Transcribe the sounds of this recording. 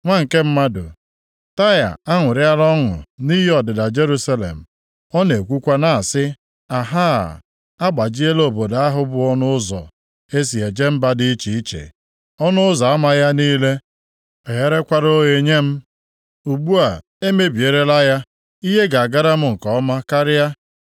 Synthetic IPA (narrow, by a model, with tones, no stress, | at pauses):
ŋʷa˦ŋ̩˨ke˦m̩˦ma˦dʊ̰˨ | ta˦ja̰˨a˦ŋʷʊ˨ɾɪ˦a˦ɾɔ˦ŋʊ̰˨ni˦ɦi˦ɔ˨dɪ˨da˨d͡ʒe˦ɾu˦sa˦lḛ˨m̩˨ | ɔ˦ne˨kʷu˦kʷa˦na˨a˨sɪ˦ | a˨ɦa̰˦˨ | a˦ɡ͡ba˨d͡ʒi˦e˦lo˨bo˨da˦ɦʊ˦bʊ˦ɔ˦nʊ˦ʊ˦zɔ̰˨ | e˦s̬i˨e˨d͡ʒe˦m̩˦ba˦di˦i˦t͡ʃi˨i˦t͡ʃḛ˨ | ɔ˦nʊ˦ʊ˦zɔ˨a˦ma˦ja˦niː˦le˦ | ɔ˨ɦe˦ɾe˦kʷa˦ɾo˦ɣe˨ɲe˦m̩˦ | u˨ɡ͡bu˦a˨ | e˦me˦bi˨e˨ɾe˦la˦ja˦ | i˦ɦe˦ɡa˨a˨ɡa˦ɾa˦m̩˦ŋ̩˨kɔ˨˦ɔ˦ma˦ka˦ɾɪ˦ja˦